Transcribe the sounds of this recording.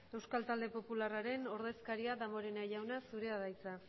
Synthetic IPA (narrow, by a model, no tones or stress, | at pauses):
e̞wskalt̪ald̪e̞po̞pularaɾe̞no̞ɾðe̞skaɾiaðamoɾenaʎawnasuɾe̞aðajt͡sa